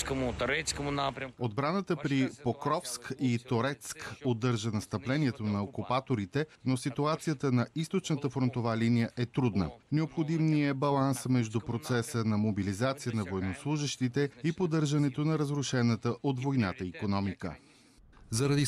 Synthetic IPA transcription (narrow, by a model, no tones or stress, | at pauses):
kəmʊt̪ɾɛtskəmʊnapɾʲod̪bɾanət̪əpɾipokɾɔfskit̪oɾɛt̪skod̪ːɤɾʒənɐst̪əplɛniɛt̪onɐokupat̪oɾit̪ɛnosit̪uat̪sijət̪ənɐist̪ot͡ʃnət̪əfɾont̪ovalinijəʔɛt̪ɾud̪nə̰nɛopxod̪imniəbɐlˠansmɛʒd̪upɾot̪sɛsənɐmobilizat̪sijənɐvoɛnoslˠuʒɛʃt̪it̪ɛipod̪ɤɾʒɐnɛt̪onɐɾəzɾʊʃɛnət̪əʔot̪vojna̰t̪əikonɔmikə̰ | zɐɾɐd̪i